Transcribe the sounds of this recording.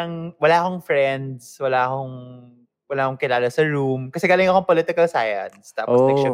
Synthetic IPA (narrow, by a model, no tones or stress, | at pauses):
ɐŋwɐlaːʔɐko̞ŋfɹɛnd̪swɐlaːʔɐkoŋ | wɐlaːʔɐkoŋkɪlaːlɐsɐɹumkɐsɛɡaːlɪŋɐkoɐŋpolɪt̪ɪkɐlsajɐ̰nst̪a̰ːpɔsɛʃ